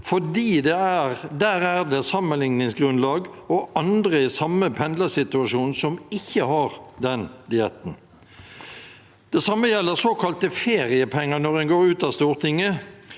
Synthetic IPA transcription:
fɔdiːd̪ɛæʁd̪æːʁæʁd̪ɛsɑmːənlɪŋnɪŋsɡɾʁʉnlɑːɡɔɑnd̪ʁəɪsɑmːəpʰɛnd̪ləsɪt̪ʉɑʃuːnsɔmɪçːəhɑʁd̪ɛnd̪ɪɛt̪n̩ | d̪̥ɛsɑmːəjɛlːəʁsoːkʰɑlt̪əfeːʁɪəpʰɛŋːənɔʁɛnɡoːʁʉːt̪ɑst̪uːʁt̪ʰɪŋːə

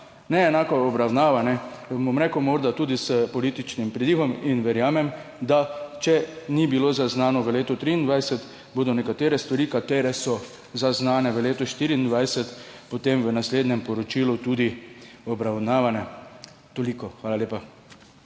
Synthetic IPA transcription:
nɛːnaːkɔːbɾawnaːʋanɛbomɾɛːkəwmoːɾd̪at̪uːd̪isəpɔlit̪it͡ʃnimpɾid̪iːɣɔminʋɛɾjaːmɛmd̪at͡ʃɛnibiloːzaznaːnɔʋəleːt̪ɔt̪ɾiːnd̪ʋajsɛt̪ | boːd̪ɔnɛkat̪eːɾɛst̪ʋaɾiːkat̪eːɾɛsɔ | zaznaːnɛʋəleːt̪ɔʃt̪iːɾiːnd̪ʋajsɛt̪pot̪emʋənasleːd̪ɲɛmpɔɾɔt͡ʃiːlut̪uːd̪i | ɔbɾawnaːʋanɛ | t̪olikɔxʋaːlaleːpa

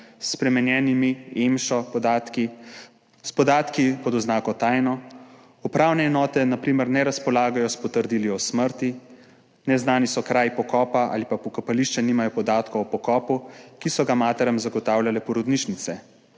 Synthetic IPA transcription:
sːpɾɛmɛnjɛːnimiemʃɔpɔd̪aːt̪ki | spɔd̪aːt̪kipɔd̪ɔznaːkɔt̪aːjnɔ | upɾaːwnɛːnɔːt̪ɛnapɾiːməɾnɛɾaspɔlaːɡajɔspɔt̪əɾd̪iliɔsməɾt̪i | nɛznaːnisɔkɾaːjpɔkɔːpaa̰ːlipapɔkapaliʃt͡ʃɛniːmajɔpɔd̪aːt̪kɔɔpɔkɔːpukisɔɡamaːt̪ɛɾəmzaɡɔt̪aːwlʲjalɛpɔɾɔd̪niːt͡ʃnit̪sɛ

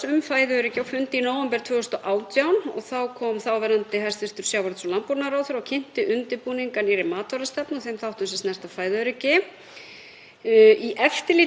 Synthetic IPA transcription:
ʏmfaːjðɪœɾɪcɪawfʏnt̪ɪinoːwɛmpɛɾ̥t̪ʰvœːɣhʏst̪ɔʔaːwt̪jawnɔɣθawkʰɔːmθawvɛɾant̪ɪhɛj̥rst̪vɪɾ̥t̪ʏɾ̥sjaːwvaɾt̪sɔlantpɔɾnaɾawθʏɾawcʰɪn̥t̪ɪʔʏnt̪ɪpuːniŋkaniɾɪmaːt̪ɔɾast̪ɛpnɔθejmθawht̪ʏsɛsnɛr̥t̪afaːjðœɾɪcɪ | iʔɛft̪ɪliː

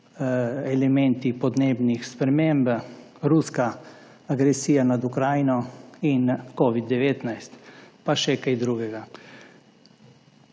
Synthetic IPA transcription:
ɛlɛmɛnt̪ipɔd̪neːbnixspɾɛmemb | ɾuska | aɡɾɛsiːjanad̪ukɾaːjnɔinkɔːʋid̪ːɛʋeːt̪najst̪paʃɛkajd̪ɾuːɡɛɡa

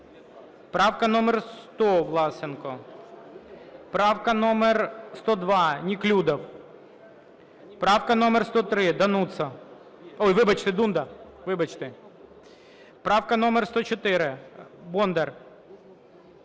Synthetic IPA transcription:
pɾɑwkɐnɔmɛrst̪ɔʋlˠɑsɪnkɔ | pɾɑwkɐnɔmɛrst̪ɔd̪ʋɑnʲiklʲud̪ɐw | pɾɑwkɐnɔmɛrst̪ɔt̪ɾɪd̪ɐnut̪sɐ | ɔjʋɪbɐt͡ʃt̪ɪd̪und̪ɐʋɪbɐt͡ʃt̪ɪ | pɾɑwkɐnɔmərst̪ɔt͡ʃɔt̪ɪɾɪbɔnd̪ɛr

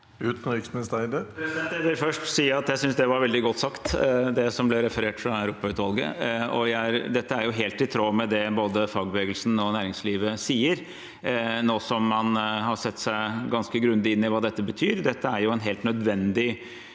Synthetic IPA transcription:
ʉːt̪nɪksnɪst̪æɪd̪əɾɛsɪd̪ɛnt̪jæɪʋɪlfœʂʈsiːəɑt̪jæɪsʏnsd̪ɛʋɑɾʋɛld̪ɪɡɔt̪ːsɑkt̪d̪ɛsɔmblɛɾɛfəɾeːʈfɾɑæʉɾuːpɑʉːt̪ʋɑlˠɡə̰ɔjæɪɾd̪ɛt̪ːəæɾjʊɦeːlt̪ɪt̪ʰɾoːmɛd̪ɛboːd̪əfɑːɡ̚bəʋeːɡəlsn̩ɔnæːɾɪŋsliːʋəsiːəɾ | noːsɔmːɑnhɑɾsɛt̪ːsæɪɡɑnskəɡɾʉnd̪ɪɪnːɪʋɑːd̪ɛt̪ːəbət̪ʰyːɾd̪ɛt̪ːəæɾjʊɛnɦeːlt̪nœd̪ʋɛnd̪ɪ

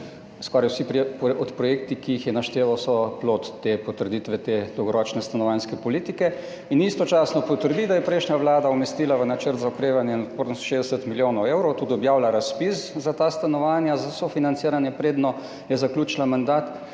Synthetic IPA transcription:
skɔɾajwsipɾpɔt̪pɾɔjekt̪ikiixjɛnaʃt̪eːʋawsɔploːt̪ːepɔt̪əɾd̪it̪ʋɛt̪eːd̪ɔwɡɔɾɔt͡ʃnɛst̪anɔʋanskɛpɔliːt̪ikɛ | inist̪ɔt͡ʃaːsnɔpɔt̪əɾd̪id̪ajɛpɾɛjʃnʲaʋlaːd̪aumɛst̪iːlaʋənat͡ʃəɾt̪zaɔkɾeːʋanjɛnɔt̪poɾd̪nst̪ʃeːzd̪ɛsət̪miljoːnɔweːwɾɔwt̪ud̪iɔbjaːwlaɾaspiszat̪ast̪anɔʋaːnjazasɔfinant̪siːɾanjɛpɾeːd̪nɔ | jɛzaklʲuːt͡ʃlamand̪aːt̪

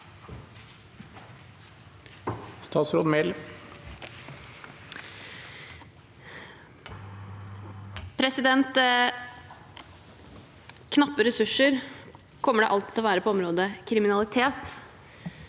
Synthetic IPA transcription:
st̪ʰɑːt̪sɾoːd̪mɛl | pʰɾɛsɪd̪ɛnt̪ | kʰnɑpːəɾɛsʉʂəɾ | kʰɔmːəɖɛ̰ʔɑlt̪ɪt̪ʰɔʋæːɾəpʰɔɔmɾoːd̪əkʰɾɪmɪnɑlɪt̪ʰeːt̪

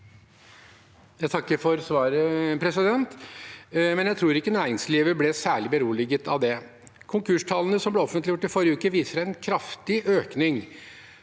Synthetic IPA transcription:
jæɪt̪ɑkːəɾfɔɾsʋɑːɾəpʰɾɛsɪd̪ɛnt̪ | mɛnjæɪt̪ʰɾuːɾɪkːənæːɾɪŋsliːʋəblɛsæːɭɪbəɾuːlɪɡət̪ʰɑ̰ʋd̪ɛ | kʰʊŋkʰʉʂʈʰɑlənəsɔmblɛɔfənt̪lɪjʊʈːɪfɔɾjəʉːkəʋiːsəɾænkʰɾɑft̪ɪʔøːknɪŋ

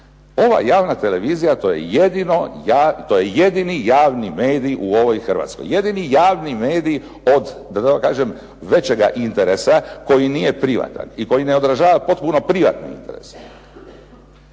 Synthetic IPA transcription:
o̞ʋa̰jaːʋnat̪e̞le̞ʋiːzijat̪ojḛjed̪inojat̪o̞je̞je̞d̪inijaːʋnimeːd̪iʔuo̞ʋo̞jxr̩ʋa̰t̪sko̞̰jːe̞d̪inijaːʋnimeːd̪i | o̞d̪d̪at̪akakaːʒem | ʋe̞t͡ɕeɡa̰ʔint̪eɾesako̞jinije̞pɾiʋa̰t̪a̰niko̞jine̞o̞d̪ɾaʒaːʋapo̞t̪̚puno̞pɾiʋa̰t̪niḭnt̪eɾes

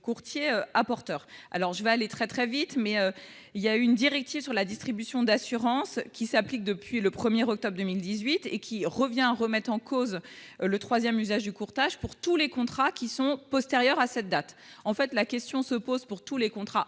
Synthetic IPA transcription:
kuʁt̪jeøapɔʁt̪œːʁa̰lɔʁʒəvɛalet̪χɛt̪χɛvit̪mɛø | iljayːnd̪iʁɛk̚t̪ivsyʁlad̪ist̪χibysjɔ̃d̪asyʁɑ̃skʲisaplik̚d̪əpɥiləpχəmjeʁɔk̚t̪ɔbʁd̪əmild̪izɥit̪ekʲiʁəvjɛ̃aʁəmɛt̪χɑ̃kʰozlət̪χwazjɛmyzaʒd̪ykuʁt̪aʒpuʁt̪ulekɔ̃t̪χakʲisɔ̃pɔst̪eʁjœʁasɛt̪̚d̪at̪ | ɑ̃fɛt̪lakʲɛst̪jɔ̃səpozpuʁt̪ulekɔ̃t̪χa

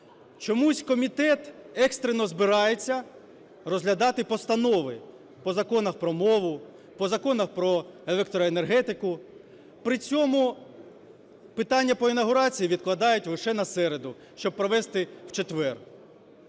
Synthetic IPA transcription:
t͡ʃɔmusʲkɔmʲit̪ɛt̪ɛkst̪ɾemnɔzbɪɾɑjet͡sʲːɐ | rɔzɦlʲɐd̪ɑt̪ɪpɔst̪ɐnɔʋɪ | pɔzɐkɔnɐxpɾɔmɔʋʊ | pɔzɐkɔnɐxpɾɔelˠɛk̚t̪ɔɾɔenerɦɛt̪ɪkʊ | pɾɪt͡sʲɔmʊ | pɪt̪ɑnʲːɐpɔinɐɦʊɾɑt͡sʲijiʋʲid̪̚klˠɐd̪ɑjʊtʲlɪʃɛnɐsɛɾed̪ʊ | ʃt͡ʃɔb̚pːɾɔʋɛst̪ɪw̥t͡ʃet̪ʋɛr

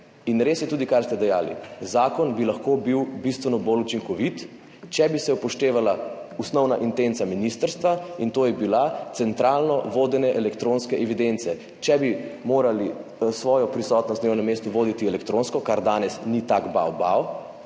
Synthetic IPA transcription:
inɾeːsjɛt̪uːd̪ikaɾst̪ɛd̪ɛjaːlḭzaːkɔnbilaxkobiwbist̪ʋɛnɔbolut͡ʃiŋkɔʋit̪ | t͡ʃɛbisɛpɔʃt̪eːʋalausnɔwnaʔint̪ent̪saminist̪əɾst̪ʋaint̪oːjɛbilat̪sɛnt̪ɾaːlnɔʋoːd̪ɛnɛʔɛlɛkt̪ɾõnskɛʔɛʋid̪ent̪sɛ | t͡ʃɛbimoːɾalisʋɔːjɔpɾisɔt̪nɔst̪newnɛmːeːst̪uʋoːd̪it̪iɛlɛkt̪ɾõnskɔkaɾd̪aːnɛsnit̪akba̰wbaw

